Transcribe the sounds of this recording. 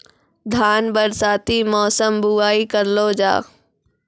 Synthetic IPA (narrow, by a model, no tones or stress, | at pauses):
d̪ʱaːnbəɾsaːt̪imɔːsəmbuaːikəɾloːd͡ʒa̰ː